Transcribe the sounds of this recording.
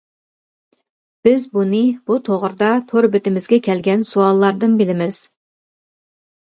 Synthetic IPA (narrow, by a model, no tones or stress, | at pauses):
b̥ɪzbunɨbut̪ʰoʁɾd̪ɑt̪ʰoɾbɪt̪ɪmɪzɡʲɛkʲʰɛlɡʲɛnsuɑlˠːɑɾd̪ɨnbɪlɪmɪz̥